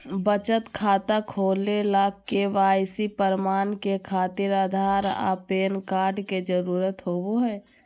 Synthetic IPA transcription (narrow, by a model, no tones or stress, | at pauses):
bət͡ʃət̪kʰaːt̪akʰoːlelakːeʋaːjsipəɾmaːnkekʰaːt̪iɾaːd̪ʱaːɾa̰peːnkaːɾɖked͡ʒəɾuːɾət̪ɦoːboɦɛː